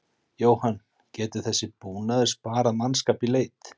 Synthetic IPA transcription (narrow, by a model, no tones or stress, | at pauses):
joːwhan | cɛːt̪ʏ̥θɛsːɪpuːnaðɪspaːɾaðmanskaːpileːjt̪